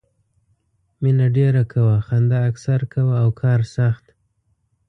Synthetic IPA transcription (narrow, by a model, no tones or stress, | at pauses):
minaɖeɾakʰawaxand̪aːksaɾkʰawaːwkʰɑɾsaxt̪